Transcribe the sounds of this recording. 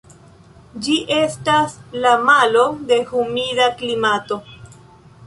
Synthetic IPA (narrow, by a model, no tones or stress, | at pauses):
d͡ʒiʔe̞staslamalo̞d̪e̞humidaklimato̞